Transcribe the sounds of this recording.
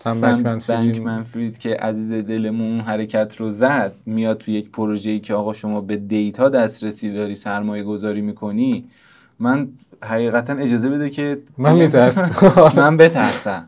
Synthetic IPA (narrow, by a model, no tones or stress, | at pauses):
sæmsæmnfbæɲʰmænfɾiːd̪̥cʰe̞ʔæ̰ziːze̞d̪e̞le̞mununɦæɾe̞cʰæt̪ʰɾozæd̪̥̚mijɒːd̪̚t̪ʰuje̞cpʰoɾoʒeiːcʰeɒːɣɒːʃo̞mɒːbe̞d̪ejt̪ʰɒːd̪æst̪ɾesiːd̪ɒːɾiːsæɾmɒːje̞ɡo̞zɒːɾiːmiːkʰo̞ni | mæn | ɦæɣiːɣæt̪ʰæne̞d͡ʒɒːze̞be̞d̪ecʰe̞mnmit̪ʰæ | mænbe̞t̪ʰæɾsæm